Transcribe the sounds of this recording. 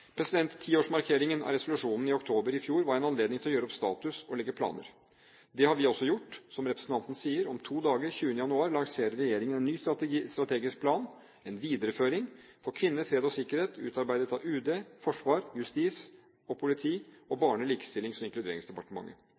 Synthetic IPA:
pʰɾɛsɪd̪ɛnt̪ʰːiːoːʂmɑɾkʰeːɾɪŋənʔæ̰ɾɛsʊlʉʂuːnn̩ɪɔkt̪ʰoːbəɾɪfjuːɾʋɑɾɛnɑnleːd̪nɪŋt̪ɪlɔjøːɾəɔpst̪ɑ̰ːt̪ʉsɔlɛɡːəpʰlɑ̰ːnə̰ɾ | d̪ɛhɑɾʋɪɔsːɔjʊʈːsɔmɾɛpɾəsn̩t̪ʰɑnt̪ən̩siːəɾɔmt̪ʰuːd̪ɑːɡəɾçʉːənəjɑnʉɑːɾlɑŋseːɾəɾɛjeːɾɪŋənɛnːyːst̪st̪ɾɑt̪ʰeːɡɪsk̚pʰlɑːn | ɛnʋiːd̪əɾəføːɾɪŋ | fɔɾkʰʋɪnːəfɾeːd̪ɔsɪkːəɾheːt̪ʰʉ̰ːt̪ɑɾbæɪd̪ət̪ɑʋʉːd̪eːfɔʂʋɑːɾjʉst̪iːs | ɔpʰʊlɪt̪ʰiːɔbɑːɳəliːkə̥st̪ɪlːɪŋsɔmɪŋklʉd̪eːɾɪŋsd̪ɛpɑʈəmɑ̰ŋːə̰

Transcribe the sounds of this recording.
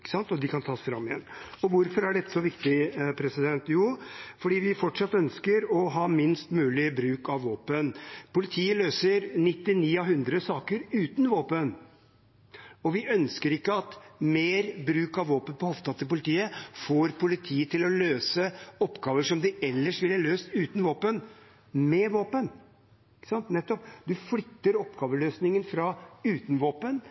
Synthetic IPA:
kːə̥sɑnt̪ɔd̪ɪkɑnt̪ʰɑːsfɾɑ̰mːɪɛ̰nːɔʋʊɾfɔɾæɖɛt̪ːə̥sɔʋɪkt̪ɪpʰɾɛsɪd̪ɛnt̪juːfɔɖiːʋɪfɔʈʂɑt̪ːœnskəɾɔɦɑːmɪnst̪mʉːlɪbɾʉːkɑʋːoːpənpʊlɪt̪ʰiːəløːsəɾnɪt̪ːɪniːɑɦʉnd̪ɾəsɑːkəɾʉːt̪n̩ʋoːpən | ɔʋɪʔœnskəɾɪkːəɑt̪meːɾbɾʉːkɑʋʋoːpənpɔhɔft̪ʰɑt̪ːəpʊlɪt̪ʰiːəfoːɾpʰʊlɪt̪ʰiːət̪ʰɪlɔløːsəɔpːɡɑːʋəʂɔmd̪ɪɛlːəʂʋɪlhɑløːst̪ʉːt̪n̩ʋoːpən | mɛʋoːpən | ɪkːə̥sɑnt̪nɛt̪ːɔpd̪ʉflʏt̪ːəɾɔpɡɑːʋəløːsnɪŋənfɾɑʉːt̪nʋoːpən

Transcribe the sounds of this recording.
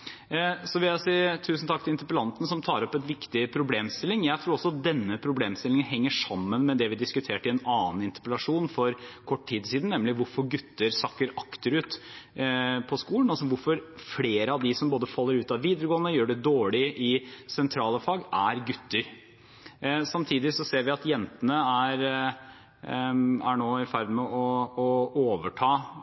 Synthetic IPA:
sɔʋɪljæsiːt̪ʰʉːsn̩t̪ʰɑkt̪ɪlɪnt̪əɾpəlɑnt̪nəsɔmt̪ʰɑːɾɔpːɛnʋɪkt̪ɪpʰɾʊbleːmst̪ɪlːɪŋjæɪt̪ʰɾuːɾɔsːɔɑt̪̚d̪ɛnːəpʰɾʊbleːmst̪ɪlɪŋənɦɛŋːəʂɑmːənmɛd̪ɛʋɪd̪ɪskʉt̪ʰeːʈɪɛnɑːnnɪnt̪ə̥pəlɑʂuːnfɔɾkʰɔʈːt̪ʰiːd̪ɪsiːd̪n̩nɛmlɪʋʊɾfɔɾɡʉt̪ːəɾsɑkːəɾɑkt̪əɾʉːt̪ | pʰɔskuːlənɑls̬ɔʋʊɾfɔɾfleːɾəɑʋd̪ɪsɔmboːd̪əfɑlːəɾʉːt̪ɑʋʋiːd̪əɾəɡoːənəjøːɖɛd̪oːɭɪʔɪsɛnt̪ʰɾɑːləfɑːɡæɾɡʉt̪ːəɾ | sɑmt̪ʰiːd̪ɪsɔseːɾʋɪɑt̪jɛnt̪ənəæɾ | æɳoːɪfæɾd̪mɛɔɔoːʋəʈʰɑː

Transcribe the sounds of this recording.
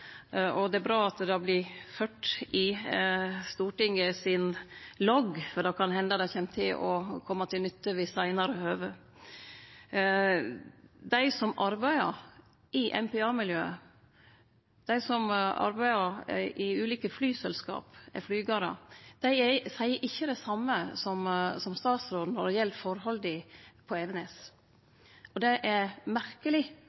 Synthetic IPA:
ɔd̪ɛæbɾɑːɑt̪d̪ɑblɪføːʈɪ | st̪uːʈɪŋəsɪnlɔɡfɔd̪ɑkʰɑnhɛnd̪ɑd̪ɛɪçɛmt̪ʰɪlɔkʰɔmːɑt̪ʰɪlnʏt̪ːəʋɪsæɪnɑɾəhøːʋə | d̪æɪsɔmɑɾbæɪəɾ | ʔɪʔɛ̰mpɛɑːmɪljøːə | d̪̥æɪsɔmɑ̰ɾbæɪəɾʔɪʉːliːkəflyːsɛlskɑ̰ːpɛ̰flyːɡɑːɾɑ̰d̪̥æɪɛsæɪəʔɪçːəd̪ɛsɑmːəsɔmsɔmst̪ɑːt̪sɾoːd̪nɔɾɛjɛlt̪fɔɾɦɔld̪ɪpʰɔɛʋɛnɛs | ɔd̪ɛʔɛɾmæɾkəlɪ

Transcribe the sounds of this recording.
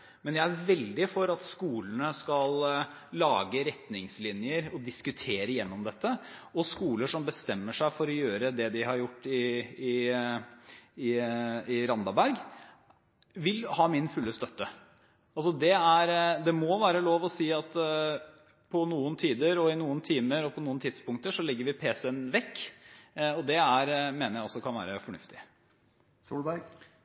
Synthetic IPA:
mɛnjæɪæɾʋɛld̪ɪfɔɾɑt̪skuːlənəskɑlː | ɑːɡəɾɛt̪nɪŋslɪnjəɾɔd̪ɪskʉt̪ʰeːɾəjɛnːɔmd̪ɛt̪ːəɔskuːləʂɔmbəst̪ɛmːəʂæɪfɔɾɔjøːɾəd̪ɛd̪ɪhɑɾjʊʈːɪɪ | ɪɪɾɑnd̪ɑbæɾɡ | ʋɪlhɑːmɪnfʉlːəst̪œt̪ːə | ɑlsɔd̪ɛæɾd̪ɛmɔʋæːɾəloːʋɔsiːɑt̪ | pʰɔnuːənt̪ʰiːd̪əɾɔɪnuːənt̪ʰiːməɾɔpʰɔnuːənt̪ʰɪd̪spʊŋkt̪əʂɔlɛɡːəɾʋɪpʰeːsənʋɛkː | ɔd̪ɛæɾmeːnəɾjæɪɔsːɔkʰɑnʋæ̰ːɾəfɔɳʉft̪ɪ | suːlbæɾɡ

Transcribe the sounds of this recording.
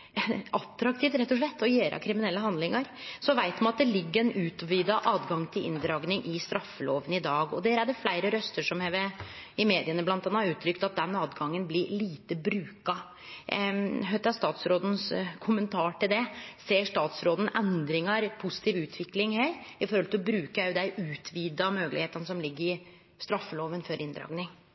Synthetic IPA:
ʔɑt̪ːɾɑk̚t̪ʰiːft̪ɾɛt̪ːɔʂɭɛt̪ʰːɔjeːɾɑ̰kʰɾɪmɪnɛlːəɦɑnd̪lɪŋɑɾsɔʋæɪt̪mɑnɑt̪̚d̪ɛlɪɡːəɾɛnʉːt̪ʋiːd̪ɑʔɑːd̪ɡɑŋt̪ʰɪlʔɪ̰nd̪ɾɑːɡnɪŋʔɪst̪ɾɑfːəloːʋənɪd̪ɑːɡɔd̪æːɾæɖɛflæɪɾəɾœst̪əʂɔmheːʋəɪmeːd̪ɪənəblɑnt̪ɑːnːɑʉːt̪ʰɾʏk̚t̪ɑt̪̚d̪ɛnɑːd̪ɡɑŋːənblɪɾliːt̪əbɾʉːkɑ | ɦœt̪ɑst̪ɑːt̪sɾoːd̪n̩skʰʊmənt̪ʰɑːʈɪld̪ɛseːʂʈ̪ɑːt̪sɾoːd̪n̩ʔɛnd̪ɾɪŋəɾpʰʊsɪ̥t̪ʰiːʋʉːt̪ʰʋɪklɪŋheːɾɪfɔɾhɔlt̪ɪlɔbɾʉːkəjʊd̪æɪʉːt̪ʰʋiːd̪ɑmøːɡlɪ̰heːt̪ənəsɔmlɪɡːəɾɪ | st̪ɾɑfːəloːʋənfɔɾʔɪnd̪ɾɑ̰ːɡnɪŋ

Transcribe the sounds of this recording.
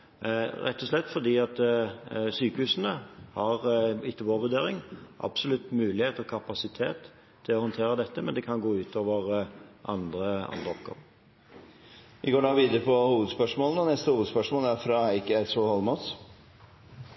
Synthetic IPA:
ʁɛ̰t̪ːɔslɛt̪ːfɔd̪iːɑt̪ | syːkəhʉːsnəhɑʁɪt̪ːəboːʋʉd̪eːɾɪŋʔɑ̰b̥sɔlʉt̪mʉːlɪheːt̪ɔkʰɑpɑsɪt̪ʰeːt̪ʰː | ɪlɔhɔnt̪ʰeːɾəd̪ɛt̪ːəmɛnd̪ɛkʰɑnɡoːʉːt̪ʰoːʋəʁʔɑ̰nd̪ʁəɑ̰nd̪ʁəɔ̰pɡ̥ɔ̰ːʋ | ʋɪɡoːɖɑːʋiːd̪əɾəpʰɔhuːʋəd̪spœʂmoːlnəɔnɛst̪əhuːʋd̪spœʂmoːlæɾfɾɑæɪkəæɪsɔhɔlmɑs

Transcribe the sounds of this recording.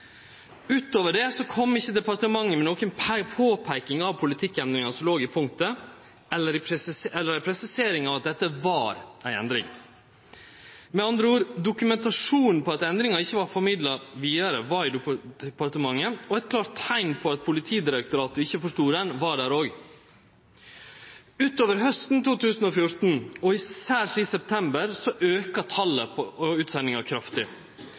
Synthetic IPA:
ʉːt̪oːʋəɖɛsɔkʰɔmːɪçːəd̪ɛpɑɾt̪əmɑŋːəmɛnoːkənpʰpʰoːpʰæɪkɪŋɑʋpʰʊlɪt̪ʰɪkːɛnd̪ɾɪŋɑsɔloːɡɪpʰʊŋt̪ə | ɛlːəɾɪssɛlːəɾæɪpʰɾɛsɪseːɾɪŋɑʋɑt̪̚d̪ɛt̪ːəʋɑːɾæɪɛ̰nd̪ɾɪ̰ŋ | mɛɑnd̪ɾəuːɾd̪ʊkʉmɛnt̪ɑʂuːnn̩pʰɔɑt̪ɛnd̪ɾɪŋɑɪçːəʋɑɾfɔɾmɪd̪lɑʋiːɑɾəʋɑɾiːd̪ɛpɑɾt̪əmɑŋːəɔɛɪt̪̚kʰlɑːɾt̪ʰːæɪnpʰɔɑt̪̚pʰʊlɪt̪ʰiːd̪ɪɾək̚t̪ʊɾɑːt̪ʊɪçːəfɔʂt̪uːɾɛnʋɑɖæːɾoːɡ | ʉːt̪oːʋəɾɦœst̪n̩t̪uːt̪ʉːsn̩ɔfjʊɾt̪n̩ɔɪsæːɾʂisɛp̚t̪ʰɛmbəɾsɔʔøːkɑt̪ʰɑlːəpʉːt̪sɛnːɪŋɑkʰɾɑft̪ɪ

